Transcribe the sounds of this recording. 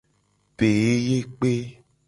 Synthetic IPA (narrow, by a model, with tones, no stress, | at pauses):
pe˨e˦je˦k͡pe˦